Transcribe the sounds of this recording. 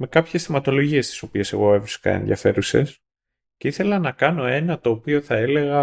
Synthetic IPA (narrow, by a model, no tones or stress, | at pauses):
me̞kɐpçe̞sθimɐt̪o̞lo̞ʝie̞st̪i̥so̞pie̞se̞̰ɣo̞efisi̥kɐ̰enðjɐ̰fe̞ɾuse̞̰s | ceiθe̞lɐnɐkɐno̞e̞nɐt̪o̞ːpio̞θɐele̞ɣɐ